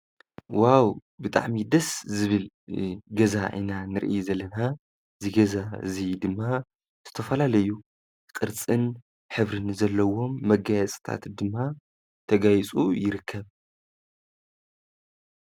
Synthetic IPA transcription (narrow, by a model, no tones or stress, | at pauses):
wawbɨt̪ʼa̰ʕmid̪ɐszɨβɨl | ɡɐzaʔḭnanɨɾʔizɐlːɐna | zɨɡɐzazid̪ɨmːa | z̥ɨt̪ʰɐfɐlalɐjːu | kʼɨɾt͡sʼɨn | ħɨβɾɨnzɐlːɐwo̞mːɐɡajɛt͡sʼɨ̥t̪ʰa̰t̪d̪ɨmːa | t̪ʰɐɡajt͡sʼujɪɾɨkʰːɐβ